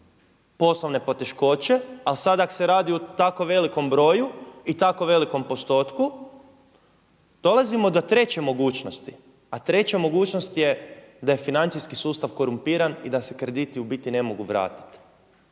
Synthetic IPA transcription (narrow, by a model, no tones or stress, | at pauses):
po̞slˠoʋne̞po̞t̪e̞ʃko̞t͡ʃe̞alisad̪aakose̞ɾaːd̪iut̪ako̞ʋe̞liko̞mbɾo̞ːjuit̪ako̞ʋe̞liko̞mpo̞st̪o̞ːt̪ku | d̪̥o̞lazimo̞d̪ot̪ɾe̞t͡ɕemo̞ɡuːt͡ʃnost̪i | at̪ɾe̞t͡ɕamo̞ɡuːt͡ʃnost̪jed̪aje̞finant̪sijskisuːst̪aʋko̞ɾumpiːɾanid̪asekɾe̞d̪it̪iubit̪ine̞moɡuʋɾa̰ːt̪i̥t̪